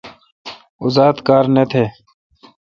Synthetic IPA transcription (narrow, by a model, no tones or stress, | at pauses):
ʊzaːd̪kaːɾnet̪ʰeː